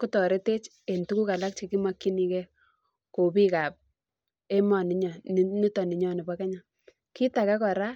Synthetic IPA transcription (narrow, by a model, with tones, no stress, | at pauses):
ku˦tɔ˨ɾe˦te˦t͡ʃ | e˨ntu˦ku˦ka˨la˦k̚t͡ʃe˨ki˦ma˦kːi˦ni˨ke˦ | ko˨pi˦ka˨p̚ | e˦ma˨ni˨˦ɲɔ˨n˦ni˦tɔ˨ni˨ɲɔ˦ni˨ba˦kɛ˦ɲa˨ | ki˦ta˨ka˦kɔ˨ɾa˦